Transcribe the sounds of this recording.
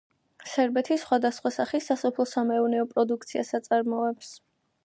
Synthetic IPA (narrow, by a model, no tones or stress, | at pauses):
sɛɾbɛt̪ʰisχwad̪asχwasaχisasɔpʰlˠɔsamɛuvnɛɔpʼɾɔd̪uk̚ʰt̪sʰiasat̪sʼaɾmɔɛps